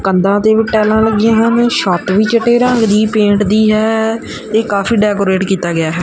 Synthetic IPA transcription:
kənd̪ãːt̪eːʋɪʈɛːlãːləɡɪjãːɦənʃɔːt̪ʋiːt͡ʃəʈeːɾəŋɡd̪iːpẽːɳʈd̪iːɦɛː | t̪eːkaːfiːɖɛːkoːɾeːʈkiːt̪aːɡɪaːɦɛː

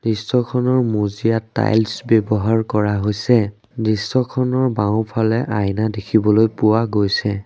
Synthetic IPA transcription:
d̥isɔkʰɔnɔɹmuzijatːa̰jlsbɔbɔɦaɹkɔɹaɦojsɛ | disɔkʰɔnɔɹbaʊ̃pʰalɛʔajnadekʰibɔlojpʊwaɡojsɛ

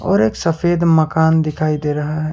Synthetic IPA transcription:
ɔ̰ːɾeːksɐfeːd̪mɐkaːnd̪ɪkʰaːid̪eːɾɐɦaɦɛː

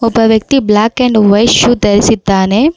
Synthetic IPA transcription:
ɔbːɐʋjɐk̚t̪iblaːkeɳɖʋɐjʃut̪ɐɾisid̪ːaːne

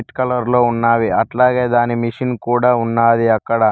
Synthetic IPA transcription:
iʈkɐlɐɾlo̞ːunːaːʋiɐʈlaːɡeːd̪aːnimiʂinkuːɽaːunːaːd̪iɐkːɐɽɐ

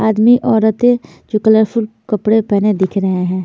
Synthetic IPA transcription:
aːd̪miʔɔːɾət̪e | d͡ʒoːkələɾpʰʊlkəpɽepɛɦned̪ɪkʰɾəɦeɦɛ̃ː

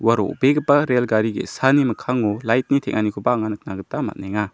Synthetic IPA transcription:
waɾo̰beɡɯpaɾelɡaɾiɡḛsanimɐkʰaŋulajt̚nitʰekŋanikʰubaːŋanɯk̚naɡɯtama̰t̚naŋa

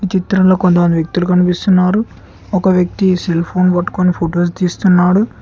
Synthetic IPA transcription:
ʋit͡ʃit̪ɾɐmlo̞ːkont̪̬ɐmɐnd̪iʋjek̚t̪ulukɐnipist̪unːaːɾu | ɔkɐʋjɐk̚t̪iselpʰo̞ːnpɐʈːkoːnipʰoːʈoːs̬t̪iːst̪unːaːɽu

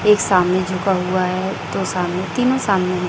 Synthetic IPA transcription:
eːksaːmnẽd͡ʒʱʊkaɦuaɦɛt̪osaːmnẽt̪iːnõsaːmnẽ

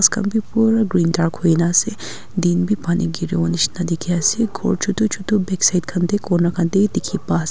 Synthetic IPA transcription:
askɐ̰mbʱipuːɾaɡɾiːndaːɾkʰoinaːse | d̪iːnbʱipaːnḭɡiɾeonit͡ʃnɐd̪ikʰijaːseɡʱo̰ːɽt͡ʃʰut̪ut͡ʃʰut̪ubeksajd̪̚kʰɐnt̪ekoːnɐkʰɐnt̪ed̪ikʰipaːs

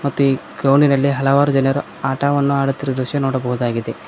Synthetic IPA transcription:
mɐt̪ːuiːɡɾowɳinɐlːiɦɐlɐʋaːɾud͡ʒɐnɐɾu | aːʈaːʋɐnːuaːɽut̪ːiɾɐd̪ɾuʃjɐnoːɽɐbɐɦud̪aːɡid̪e̞

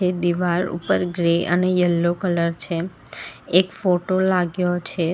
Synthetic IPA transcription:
ed̪iʋaɾṵpəɾɡɾeʔə̰nejəlːokələɾt͡ʃʰeː | kfoʈolaɡjot͡ʃʰe

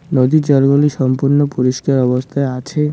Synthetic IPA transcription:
nod̪it͡ɕɔlɡoliʃɔmpuɾnopuɾiʃkaɾɔbost̪ʰaeat͡ɕʰe

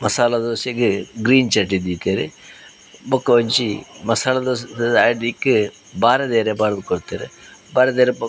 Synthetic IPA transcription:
mɐsaːlɐd̪oːsekɨɡɾiːnt͡ʃɐʈːid̪iːt̪ːeːɾɨ | bokːɐʋɐɲt͡ʃimɐsaːlɐd̪osːɖikːɨ | baːɾɐd̪eːɾebaːɾɐd̪ɨkoɽt̪ːeːɾɨbaːɾɐd̪eːɾep

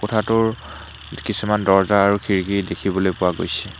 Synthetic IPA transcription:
kotʰatʊɹ | kisumandɔɹzaːɹukʰiɹkidekʰibɔlojpʊwaɡo̰jsɛ

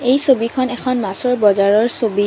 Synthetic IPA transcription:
ejsobikʰɔnɛkʰɔnmasɔɹbɔzaɹɔɹsobi

